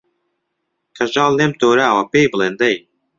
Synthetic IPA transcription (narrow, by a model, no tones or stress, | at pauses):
kʰɐʒɑːlːemt̪oːɾɛawɐpeːjbɨlˠeːnd̪ɐj